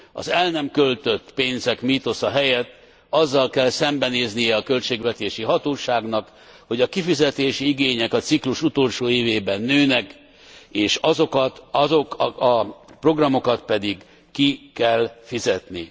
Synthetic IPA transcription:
ɒ̰zɛlnɛmkø̞lt̪ø̞t̪ːpeːnzɛkmit̪o̞sɒɦɛjɛt̪ː | ɒzːɒlkɛlsɛmbɛneːznijɛɒkø̞lt͡ʃeːɡʋɛt̪eːʃiɦɒt̪oːʃaːɡnɒk | ho̞ɟɒkifizɛt̪eːʃiiɡeːɲɛkɒt̪sikluʃut̪o̞ːlʃoːeːveːbɛnːøːnɛk | eːʃɒzokɒt̪ɒzo̞kɒpro̞ɡrɒmo̞kɒt̪pɛd̪iɡ | kikɛlfizɛt̪ni

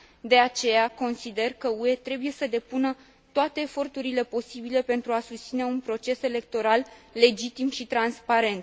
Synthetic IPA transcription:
d̪e̞at͡ʃe̞jako̞nsid̪e̞rkəue̞t̪ɾe̞buje̞səd̪e̞punə | t̪oat̪e̞ːfo̞rt̪uɾile̞po̞sibile̞pe̞nt̪ɾuasust̪sine̞unpɾo̞t͡ʃe̞se̞le̞k̚t̪o̞ɾalːe̞d͡ʒit̪imʃit̪ɾanspaɾe̞nt̪

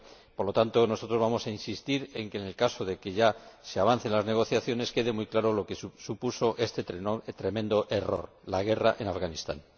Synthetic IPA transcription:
poɾlo̞t̪ant̪o̞no̞so̞t̪ɾo̞zβamo̞sainsist̪iɾe̞ŋkene̞lkaso̞ðe̞ke̞ʝase̞aβ̞an̟θe̞nlazne̞ɣ̞o̞θjaθjo̞ne̞ske̞ð̞e̞mujklaɾo̞lo̞kesupuso̞ʔe̞st̪et̪ɾe̞mẽ̞nd̪o̞ʔe̞ro̞̰ɾ | laɣe̞raʔe̞nafɣanist̪a̰n

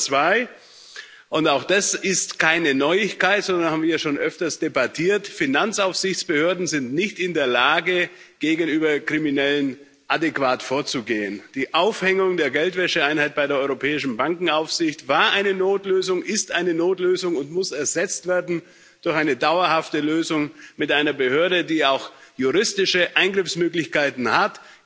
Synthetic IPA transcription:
t͡sv̥aɪ | ʔʊntaʊxd̥asɪstkʰaɪnənɔʏɪçkaɪtz̥ɔndɐnhabmviɐjaʃoːnʔœftɐstd̥ebatʰiːɐtfinant͡saʊfz̥ɪçt͡sb̥əhøːɐdn̩zɪntnɪçtɪndeːɐlaːɡə | ɡ̥eːɡn̩yːbɐkʁ̥iminɛlən | ʔadekv̥aːtfoːɐt͡suɡeːənd̥iːʔaʊfhɛŋʊŋdeːɐɡɛltv̥ɛʃəaɪnhaɪt̚b̥aɪɾeːɐʔɔʏʁopʰɛːɪʃn̩baŋkŋ̩aʊfz̥ɪçtv̥aːɐʔaɪnənoːtløːzʊŋʔɪstʔaɪnənoːtløːzʊŋʊntmʊsɛɐzɛt͡stv̥eːɐdn̩ | d̥ʊɐçʔaɪnədaʊɐhaftəløːzʊŋmɪtʔaɪnɐbəhøːɐɾədiːaʊxjuʁɪstɪʃəʔaɪnɡʁɪfsmøːklɪçkaɪtn̩hat

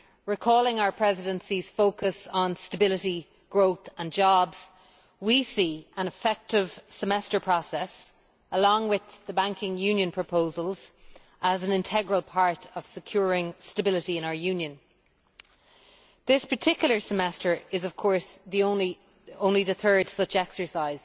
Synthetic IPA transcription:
ɹikʰɔːlˠɪ̃ŋaʊə˞pʰɹ̥ɛzɪdə̃nsiz̥foʊkəsn̩stəbɪlɪɾi | ɡ̥ɹoʊθə̃nd͡ʒɔbz̥ | wisiːə̃nəfɛk̚tɪv̥səmɛstə˞pʰɹ̥ɔsɛs | əlɔ̃ŋwɪððəbãŋkɪ̃ŋjʉ̃njə̃npʰɹ̥əpʰoʊzəlˠz | ʔəzə̃nɪ̃ntʰɛɡɹəlˠpʰaɹɾəv̥səkʰj̥ʊːɹɪ̃ŋstəbɪlɪɾiɪ̃ñaʊə˞jʉ̃njə̃n | ðɪspʰə˞tʰɪkjl̩ˠə˞səmɛstə˞ɪzəv̥kʰɔɹsðiõʊ̃nli | õʊ̃nliðəθɜ˞d̥sʊt͡ʃɛksə˞saɪz̥

